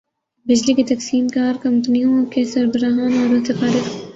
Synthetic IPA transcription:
bɪd͡ʒlikit̪ɐksiːmkaːɾkɐmt̪ʊnijõkʰesɐɾbɐɾaːɦaːnɐɾosɐfaːɾɪk̪

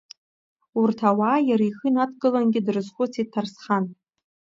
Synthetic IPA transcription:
urtʰawajaɾaiχɨnatʰɡɨlanɡʲɪdrɨzχʷʊt͡sʰitʰːarsχan

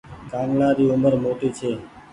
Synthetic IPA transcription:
ɡãːŋɡnãːɾiːʊməɾmoːʈiːt͡ʃʰeː

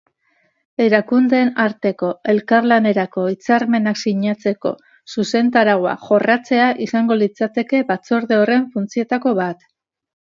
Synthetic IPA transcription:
e̞ɾakund̪e̞ːnaɾt̪e̞ko̞e̞lkaɾlane̞ɾako̞it͡saɾme̞naksiɲat͡se̞ko̞̰ | suse̞nt̪aɾaɣoa̰ʝo̞rʔat͡se̞aʔisaŋɡo̞lit͡sat̪e̞ke̞bat͡so̞ɾðe̞o̞re̞ɱfunt͡sie̞t̪ako̞βat̪

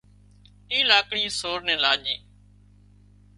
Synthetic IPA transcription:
ʈiːlaːkɽĩːsoːɾnɛ̃ːlaːʄẽː

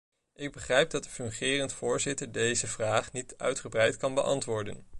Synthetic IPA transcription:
ʔɪɡ̚bəχrɛjb̚dɑtəfɵŋχɪːrəntfʊːɹzɪtəɹdejzəvraːχnitœ̰ɥtχəbrɛjtkɑnbəʔɑ̰ntʋʊːɹdə̰n

